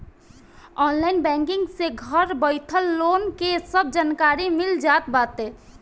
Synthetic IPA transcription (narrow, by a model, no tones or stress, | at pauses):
ɔːnlaːɪnbɛ̃ːŋkɪ̃ŋɡseɡʱəɾbəɪt̪ʰəlːoːnkesəb̚d͡ʒaːnkaːɾimɪld͡ʒaːt̪baːt̪ɦɛː